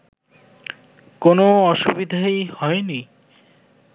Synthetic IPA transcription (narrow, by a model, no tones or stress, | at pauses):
konoɔʃubid̪ʱajhɔeni